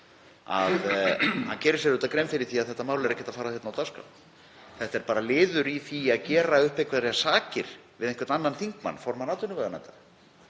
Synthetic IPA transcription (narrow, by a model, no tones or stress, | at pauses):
a̰ðhancɛːɾɪ̥sɛɾʏːt̪akɾejmfɪɾɪθiaðθɛht̪ːamaːwlɛɾɛhcːɛt̪afaːɾaθjɛt̪nawt̪aska̰w | θɛht̪ɛɾpaːɾalɪːðʏɾiθiaðcɛːɾaʏhpekʰvaðɾɛasaːcɪɾ̥vɪðɛŋkvɛɾt̪nanːanθiŋkma̰nːfɔɾmanaːt̪ʏnʏvaɣana̰t̪a